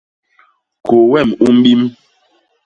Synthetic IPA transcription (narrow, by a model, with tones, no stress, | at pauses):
ko˨wɛ˦˨mu˦m˦ɓi˦m